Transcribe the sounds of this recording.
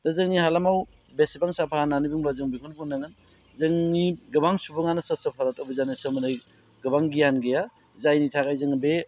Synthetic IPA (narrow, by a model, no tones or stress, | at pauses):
dɐzɯŋnihalamaw | besipaŋsapʰaananibuŋbazɯŋbikʰɔnbʰunːaŋɯn | zɯŋniɡɯbaŋsubɯŋanɐsɐsɯpʰaɾatobizanɯsɯmɐnɯj | ɡɯbaŋɡijanɡeja | zajnitʰaɡajzɯŋbe